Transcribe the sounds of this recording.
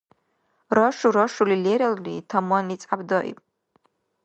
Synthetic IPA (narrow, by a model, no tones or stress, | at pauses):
raʂuɾaʂulileɾalritʰamanit͡sʼabdaʔḭpʼ